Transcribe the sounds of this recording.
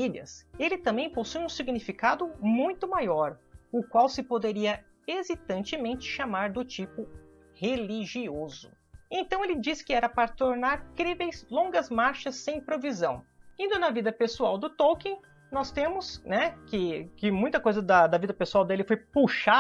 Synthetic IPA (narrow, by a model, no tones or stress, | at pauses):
iljɐ̰selɪt̪ɐ̃mbẽj̃posujũsiɡnifikad̪ʊmũj̃t̪ʊmajɔɾʊkwawsɪpod̪eɾiɐ | ezit̪ɐ̃nt͡ʃɪmẽnt͡ʃɪ̥ʃamaɾd̪ʊt͡ʃipʊ | heliʒiozʊ | ẽnt̪ɐ̃w̃elɪd͡ʒiskɪɛɾɐpaɾɐt̪oɾnaɾkɾivejzlõŋɡɐzmaɾʃɐsːẽj̃pɾovizɐ̃w̃ĩnd̪ʊnɐvid̪ɐpesuawd̪ʊt̪owkẽ | nɔst̪ẽmʊsnɛkɪkɪmũj̃t̪ɐkojzɐd̪ɐd̪ɐvid̪ɐpesuawd̪elɪfojpuʃa